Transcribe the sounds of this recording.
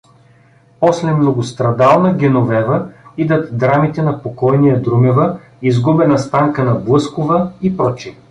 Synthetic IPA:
pɔslɛmnoɡost̪ɾɐd̪alˠnɐɡʲɛnovɛvəid̪ət̪d̪ɾamit̪ɛnɐpokɔjnijəd̪ɾumɛvə | izɡubɛnɐst̪aŋkənɐblˠɤskovəipɾɔt͡ʃi

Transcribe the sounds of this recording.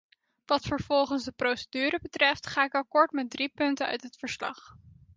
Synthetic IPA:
ʋɑtfəɹv̥ɔlˠχənsdəprowsədyːɾəbətrɛftχaːɪkɑkɔɹtmɛt̚dripɵntənœ̰ɥtɦətfəɹslɑ̰χ

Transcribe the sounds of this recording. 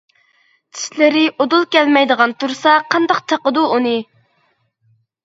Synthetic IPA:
t͡ʃʰi̥ʃlɪɾɪʔod̪ulˠkʲɛlmɛjd̪əʁɑnt̪uɾsɑqʰɑnd̪ɑq̚t͡ʃ̪ʰɑqəd̪uunɨ

